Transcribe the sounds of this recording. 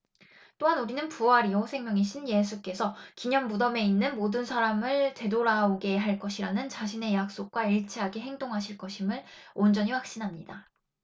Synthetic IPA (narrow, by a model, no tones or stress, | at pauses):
t͈oɦanuɾinɯnpuaɾiosʰe̞ŋmjʌŋiɕʰinje̞sʰuk͈e̞sʰʌkiɲʌnbudʌme̞inːɯnmodɯnsʰaɾamɯɭte̞doɾaoɡe̞ɦaɭk͈ʌɕʰiɾanɯnt͡ɕaɕʰine̞jak̚s͈ok̚k͈waiɭt͡ɕʰiɦaɡe̞ɦe̞ŋdoŋɦaɕʰiɭk͈ʌɕʰimɯɭond͡ʑʌɲiwak̚ɕ͈inɦamɲida